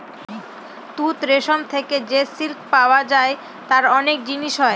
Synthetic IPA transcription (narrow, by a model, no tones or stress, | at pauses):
t̪ut̪ɾeʃomt̪ʰeked͡ʑesilkpaoad͡ʑae | t̪aɾɔnek̚d͡ʑiniʃɦɔe